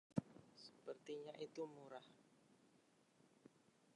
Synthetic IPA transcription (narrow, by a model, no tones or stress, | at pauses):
sə̥pərt̪iɲaʔit̪umuɾah